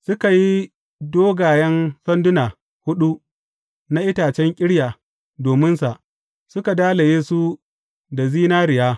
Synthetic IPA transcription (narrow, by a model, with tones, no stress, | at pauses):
sʊ˦ka˨ji˦ | doː˦ɡaː˨jɛ˦nsɐ˦ndʊ˦naː˨ | hʊ˦ɗu˦ | na˦ʔɪ˦taː˨t͡ʃɛ˦ŋkʲʼɪ˦ɽjaː˨ | doː˨mɪ˦nsa˨ʔ | sʊ˦ka˨daː˦la˨jeː˦su˦ | da˨ziː˦naː˦ɾɪ˨jaː˦